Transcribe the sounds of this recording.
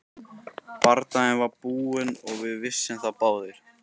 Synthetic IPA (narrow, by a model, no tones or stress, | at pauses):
paɾt̪aɪnvaɾpuːɪnɔɣvɪðvɪsːɪmθapaːwðɪɾ̥